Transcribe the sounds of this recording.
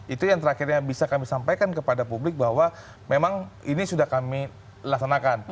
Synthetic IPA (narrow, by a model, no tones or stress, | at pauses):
it̪ujaŋt̪əɾaxirɲabisakamisampajkankəpadapublɪk̚baɦwa | memaŋinisudahkami | laksanakan